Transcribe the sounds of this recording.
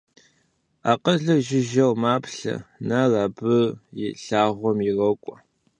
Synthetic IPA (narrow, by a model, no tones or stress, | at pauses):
aːqəɮɨʒɪʒɐwmaːpɬɐ̰narabɨrjɪɬaːʁʷɔmjɪrɐkʷʼɔ